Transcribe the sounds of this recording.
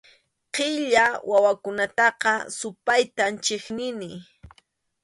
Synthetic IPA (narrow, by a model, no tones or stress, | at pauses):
qɪʎawʔawakʊnat̪ɑqɑsʊpajt̪ant͡ʃeχnɪnɪ